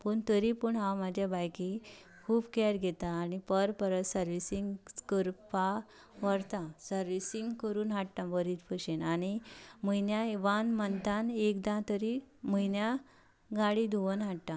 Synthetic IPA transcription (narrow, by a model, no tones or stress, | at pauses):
pəɳt̪əɾipəɳɦãwmad͡ʑʱjabajki | kʰuːbkɛɾɡʱet̪aːnipəɾpəɾət̪səɾʋisiŋɡkəɾpa | ʋəɾt̪ãsəɾʋisiŋɡkəɾuːnɦaʈʈ̪ãbəɾit̪pəɕenañiməjnjaeʋanmənt̪anekd̪ãt̪əɾiməjnja | ɡaɽid̪ʱuʋənɦaʈʈ̪ã